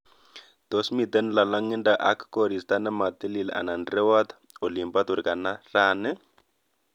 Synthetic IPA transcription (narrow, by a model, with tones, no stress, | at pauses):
d̪̥o˦smi˨t̪ɛ˦nla˨la˦ŋi˦nda˨ʔa˨kʰko˨ɾi˨st̪a˦nɛ˦ma˨t̪e˦li˨lɛʔa̰˨na˨ndrɛ˦wa˦t̪ | o˨li˨mba˦t̪u˨ɾi˨ka˨na˦raːnɛ˦